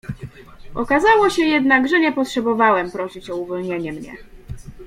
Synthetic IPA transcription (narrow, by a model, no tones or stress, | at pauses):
ʔɔkazawɔɕɛjɛd̪naɡʐɛɲɛpɔtʂɛbɔvawɛmpɾɔɕit͡ɕɔuvɔlɲeɲɛmɲɛ̰